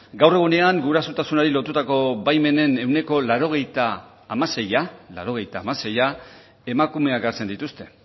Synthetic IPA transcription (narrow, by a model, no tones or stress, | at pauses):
ɡawre̞ɣ̞une̞aŋɡuɾasut̪asunaɾilo̞t̪ut̪ako̞βajme̞ne̞ne̞wne̞ko̞laɾo̞ɣ̞e̞jt̪aː | mase̞jala̰ɾo̞ɣ̞e̞jt̪aːmase̞ja | e̞makume̞akaɾt͡se̞nd̪it̪ust̪e̞̥